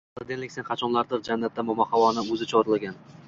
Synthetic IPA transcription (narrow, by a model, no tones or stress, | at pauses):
ɪd̪enlɪkʲsenqʰɑt͡ʃʰɒnlˠaɾd̪ɪɾd͡ʒanːat̪ːamʊmahavɒnɪmɵzɪt͡ʃʰɒɾɪlˠaɡʲan